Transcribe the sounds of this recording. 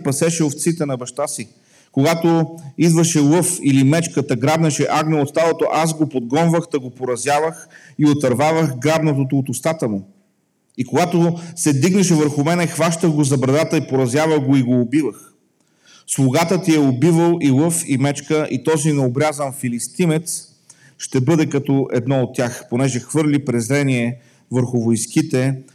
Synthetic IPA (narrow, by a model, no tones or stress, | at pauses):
pɐsɛʃɛoft̪sit̪ɛnɐbɐʃt̪asi | koɡat̪oid̪vəʃɛlˠɤfilimɛt͡ʃkət̪ɐɡɾab̪nɐʃɛʔaɡnɛʊot̪st̪alot̪oʔazɡopod̪̚ɡɔnvəxt̪ɐɡopoɾɐzʲjavəx | iot̪ɐɾvavəxɡɾab̪nɐt̪̬ot̪oːt̪ʊst̪at̪əmʊ | ikoɡat̪osɛd̪iɡnɐʃɛvəɾxʊmɛnɛxvaʃt̪əɣɡozɐbɾɐd̪at̪əipoɾɐzjavəɣɡoiɡoːbivəx | slˠʊɡat̪ət̪iɛobivəlˠilˠɤfimɛt͡ʃkəʔit̪ɔzinɛobɾʲjazənfilist̪imɛt̪s | ʃt̪ɛbɤd̪ɛkɐt̪ɔʔɛd̪nɔot̪ʲːjaxponɛʒɛxvɤɾlʲipɾɛzɾɛniɛ | vəɾxʊvojskit̪ɛ